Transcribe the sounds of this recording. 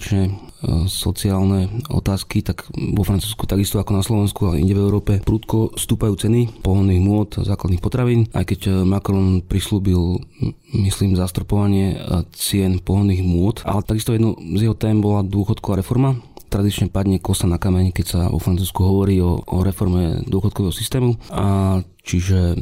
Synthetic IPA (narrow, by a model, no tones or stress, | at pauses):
t͡ʃɲɛ | sɔt͡siaːlnɛɔ̰t̪aːskit̪akʋɔfɾant͡suːsku̥t̪aɡist̪ɔakɔnaslɔʋɛnskualɛ̰ʔḭɲɟɛʋɛʊɾɔːpɛpɾuːt̪kɔst̪uːpajuːt͡sɛnipɔɦɔnːiːɣmʊɔt̪zaːklad̪nixpɔt̪ɾaʋiːnʔa̰jkɛcmakɾɔnpɾisluːbil | misliːmzast̪ɾɔpɔʋaɲɪɛt͡sɪɛnpɔɦɔnːiːɣmʊɔt̪ʔa̰lɛt̪aɡist̪ɔjɛd̪nɔzjɛɦɔt̪ɛːmbɔlad̪ʊɔxɔt̪kɔʋaːɾɛfɔɾmat̪ɾad̪it͡ʃɲɛpad̪ɲɛkɔsanakamɛɲkɛcsa̰ʋɔ̰fɾant͡suːskuɦɔʋɔɾiːɔ̰ɾɛfɔɾmɛ̰d̪ʊɔxɔt̪̚kɔʋɛːɦɔsist̪ɛːmu | t͡ʃiʒɛ